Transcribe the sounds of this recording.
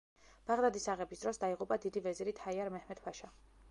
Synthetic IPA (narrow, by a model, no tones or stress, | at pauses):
b̥aʁd̪ad̪isaʁɛbisd̪ɾɔsd̪aiʁupʼad̪id̪ivɛziɾit̪ʰaiaɾmɛhmɛt̪ʰpʰaʃa